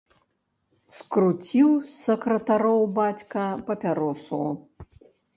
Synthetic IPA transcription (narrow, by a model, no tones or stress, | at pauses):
skrut͡sʲiwsɐkrɐt̪aɾowbat͡sʲkɐpɐpʲaɾɔsuw